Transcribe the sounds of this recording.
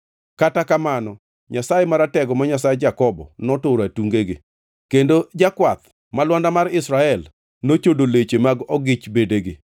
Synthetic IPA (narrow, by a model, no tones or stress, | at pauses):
katakamanɔ | ɲasajemaɾatɛɡɔmaɲasajed͡ʒakɔbɔ̰nɔtoɾatuŋɡeɡɪ̰ | kendod͡ʒakwat̪ | malwandamarɪsɾaɛl | not͡ʃodolet͡ʃemaɡɔɡɪt͡ʃbedeɡɪ